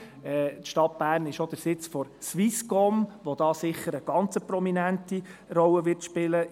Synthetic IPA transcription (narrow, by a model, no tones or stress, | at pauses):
ɛtʃtɑt̚b̥æːɾnɪʃod̥̪əɾsɪt͡sfɔɾsʋiskɔmʋod̥̪ɑːsɪχːəɾəɡ̥ɑnt͡səpɾɔminæntirɔlːəʋɪɾtʃpɪlə